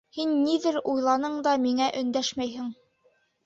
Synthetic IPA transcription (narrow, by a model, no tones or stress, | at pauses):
hinːiðɘɾujlˠɑnɤɴd̪ɑmiŋæʔɵ̆nd̪æʃmæjɦɘ̆ŋ